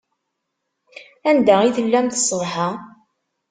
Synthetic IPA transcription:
ænd̪æiθəlːæmθsˤːəðˤha

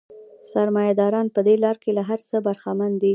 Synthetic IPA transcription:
saɾmɑjad̪ɑɾɑnpəd̪elɑɾkelaɦaɾt͡səbaɾxamand̪i

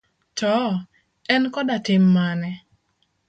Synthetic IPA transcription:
tɔ | ɛnkɔdatɪmːanɛ

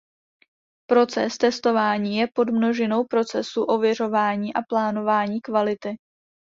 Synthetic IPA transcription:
pɾo̞t͡sɛ̰st̪ɛst̪o̞vaːɲiːjɛpo̞dmno̞ʒɛno̞wpɾo̞t͡sɛsuʔo̞vjɛr̝o̞vaːɲiːʔaplaːno̞vaːɲiːkvalɪt̪ɪ

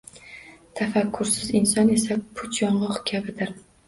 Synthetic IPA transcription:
t̪ʰafakʲʰːʊɾsɪzɪnsɒne̞sapʰʊt͡ʃ̪ʰjɒɴlˠɒqkʲʰabɪd̪ɪɾ

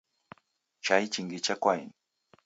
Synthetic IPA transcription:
t͡ʃait͡ʃiŋɡit͡ʃakwajn

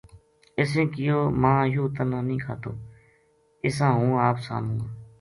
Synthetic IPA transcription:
ɪsẽːkɪjoːmãːjuːt̪ənãːnĩːkʰaːt̪o̰ː | ɪsãːɦũːaːpsa̰ːn̤ũːaː

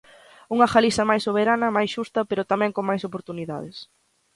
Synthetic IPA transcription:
uŋɐxalisɐmajsːoβ̞eɾanɐmajsʃust̪ɐpeɾʊt̪amɛ̃ŋkoŋmajsopoɾt̪uniða̰ð̞ɪs

